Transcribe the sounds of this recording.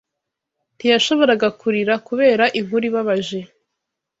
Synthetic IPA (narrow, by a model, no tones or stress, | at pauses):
ntijaʃo̞βo̞ɾaɡakuɾiɾakuβe̞ːɾaʔimuɾiβaβaʒe